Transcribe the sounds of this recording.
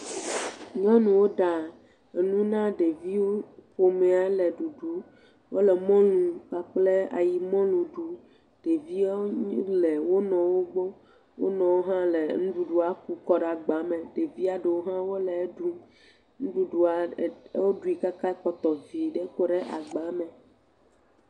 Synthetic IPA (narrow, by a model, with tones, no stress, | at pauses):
ɲɔ̃˦nũ˨wo˦ɖa˨ | e˨nũ˦nã˦ɖe˨vi˦wo˦ɸo˦me˨a˨lɛ˨ɖu˨ɖu˦ | wo˦lɛ˨mɔ̃˦lũ˨k͡pa˨k͡ple˦a˨ji˨mɔ̃˦lũ˨ɖu˨ | ɖ̥e˨vi˦ɲi˦le˨wo˦nɔ̃˨wo˦ɡ͡bo˦ | wo̰˦nɔ̃˨wo˦ɦã˦le˨nũ˦ɖu˦ɖu˦a˨ku˦kɔ˦ɖa˨ɡ͡ba˨˦mẽ˨ɖe˨vi˦a˨ɖe˨wo˦ɦã˦wo˦le˨˦ɖu˦ | nũ˦ɖu˦ɖu˨a˨˦wo˦ɖu˦i˨ka˦ka˦k͡pɔ˦t̪ɔ˨vi˨ɖe˦ko˦ɖe˦ʔa˨ɡ͡ba˨me˨